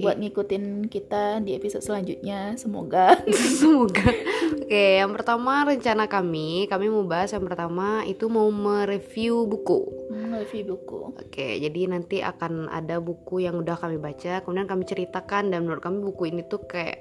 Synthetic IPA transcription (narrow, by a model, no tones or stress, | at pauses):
buat̪̚ŋikut̪ɪnkit̪adiepisɔd̪səlaɲd͡ʒut̪̚ɲasəmo̰ɡasəmoɡaokejaŋpərt̪amaɾəɲt͡ʃanakamikamiməubaɦasjaŋpərt̪amait̪umauməɾəfiubukṵmuməɾefiubukṵo̰kḛd͡ʒadinant̪iʔa̰kana̰dabukujaŋudahkamibat͡ʃakəmudiankamit͡ʃəɾit̪akandanmənuɾʊt̪̚kamibukuinit̪ukaja̰ʔʔ